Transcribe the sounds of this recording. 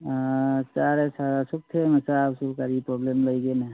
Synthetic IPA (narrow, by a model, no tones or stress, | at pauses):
t͡ʃaɾesaɾasuk̚t̪ʰeməsaːbsubkaɾipɾɔblemləjɡena